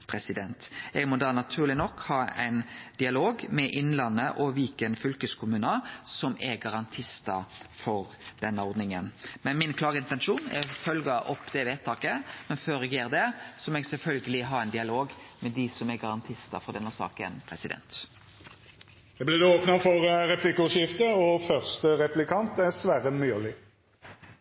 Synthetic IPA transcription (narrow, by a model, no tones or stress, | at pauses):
pʰɾɛsɪd̪ɛnt̪ɛɡmɔd̪ɑːnɑt̪ʰʉːʁlɪnɔkːhɑːæ̰ɪnd̪̥ɪɑloːɡmɛʔɪnlɑnːəʔɔʋɪlkənfʏlkəskʰʊmʉːnəsɔmɛɡɑɾʁɑnt̪ʰɪst̪ɑfɔɾd̪̥ɛnːəɔɾd̪nɪŋənmɛnmɪnkʰlɑːɡəɪnt̪ɛnʂuːnɛ̰fœlɡəʔɔpːd̪ɛʋeːt̪ʰːɑːkəmɛnføːɾɛɡjeːɾd̪ɛsɔmɛːɡsɛlfœlɡəlɪɦɑɾɛɪnd̪ɪɑloːɡmɛd̪ɪsɔmɛɡɑɾɑnt̪ʰɪst̪ɑ̰fɔd̪ɛnːəsɑ̰ːkə̰npʰɾɛsɪd̪ɛ̰nt̪ | jɛblɪd̪ɛoːpnəfɔɾɾɛplɪkːəʉɪft̪əɔfœʁst̪əʁɛplɪkʰɑnt̪æsʋæːɾəmyːlɪ